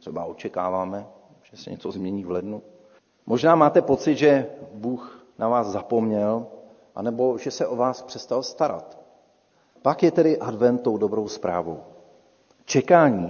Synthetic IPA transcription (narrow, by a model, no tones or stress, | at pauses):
t̪r̥ɛba̰o̞t͡ʃɛkaːvaːmɛ | ʒ̥ɛsɛ̰ɲɛ̰t͡so̞zmɲɛɲiːvlɛdnu | mʔo̞ʒnaːmaːt̪ɛpo̞t͡sɪt̪ʒɛbuːxnavaːszapo̞mɲɛl | ʔanɛbo̞ʒɛsɛʔo̞vaːspr̝̥ɛst̪alst̪aɾa̰t̪ | pakjɛt̪ɛdɪʔadvɛnt̪̚t̪ːo̞wdo̞bɾo̞wspɾa̰ːvo̞̰w | t͡ʃɛkaːɲiː